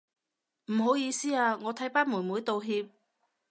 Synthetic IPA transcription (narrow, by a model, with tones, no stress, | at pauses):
m̩˨˩ɦo˨˥wjiː˨˧siː˥aː˧ŋɔː˨˧t̪ʰɐ˨˥jpaː˥nmuː˨˩nmuː˨˥jt̪o˨wɦiː˧p̚